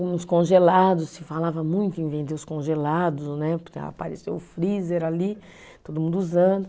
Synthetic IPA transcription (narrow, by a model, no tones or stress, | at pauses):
ũʊskõʒelad̪ʊssɪfalavɐmũj̃t̪ʊĩvẽnt̪eʊskõʒelad̪ʊsnɛpa̰paɾḛsewʊfɾizeɾali | t̪od̪ʊmũnd̪ʊuzɐ̃d̪ʊ